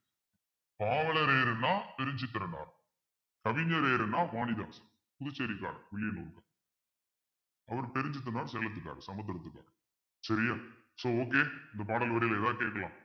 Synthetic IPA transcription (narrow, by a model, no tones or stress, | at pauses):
paːʋɐɭɐɾeːɾɯnːaːpɛɾɪɲd͡ʒɯkːɐɾɐna̰ːɾ | kɐʋɪɲːɐɾeːɾɐnːaːʋaːnɪða̰ːs | pʊðʊt͡ʃːɐɾikːaːɾʋɪɭɪjɐnoːɾɯkːãː | ɐʋɐɾpɛɾɪɲd͡ʒɪt̪ːɯnaːɾsɛlːɐt̪̬ːɯkːa̰ːɾsɐmɐt̪̬ːɐɾɐt̪ːɯkːa̰ːɾ | sɐɾɪjaː | soːoːk̬eːɪnd̪ɐpaːɽɐlʋɐɾɪjlɛðaːkeːʈkːɐlã̰ː